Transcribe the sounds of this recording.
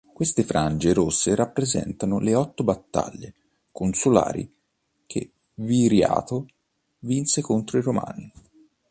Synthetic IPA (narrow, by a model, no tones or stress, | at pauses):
kwest̪efɾand͡ʒeɾosːeɾapːɾezɛ̰nt̪anʊleɔt̪ːobat̪ːa̰ʎːe | konsula̰ːɾḭ | k̟ʰḛ | viɾja̰ːt̪o | vinsekont̪ɾoiɾoma̰ːni